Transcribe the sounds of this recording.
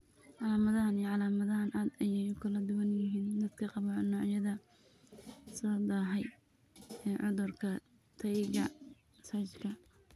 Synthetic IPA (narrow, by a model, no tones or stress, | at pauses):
ʕɑlaːmɐðɐhɐnijʕɑlaːmɐðɐɦɐnʔaːd̪ɐjɛjʊkʰɐlɐd̪ʊwɐnjɪɦiːnd̪ɐd̪kʰɐqɑβɐnːɔːʕjɐðɐ | sɔːd̪aːɦɛj | ɛːʕʊðʊrkʰɐ | t̪ʰɐjɡɐ | mɐsaːt͡ʃkʰɐ